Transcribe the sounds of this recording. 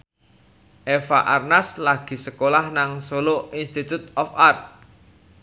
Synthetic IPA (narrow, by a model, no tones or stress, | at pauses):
ʔefa̰ʔarnaslaɡ̥i̤səkolahnaŋsoloinst̪it̪ut̪ɔfart̪̚